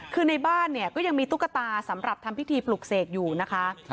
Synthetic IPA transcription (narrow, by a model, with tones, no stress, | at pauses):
kʰɯː˧na˧jbaː˥˩nːi˥˩ɐkɔː˥˩ja˧ŋmiː˧t̪ʰu˦˥kːa˧t̪aː˧sa˩˦mɾa˨˩p̚t̪ʰa˧mpʰi˦˥t̪ʰiː˧plu˨˩k̚seː˨˩k̚juː˨˩na˦˥kʰa˦˥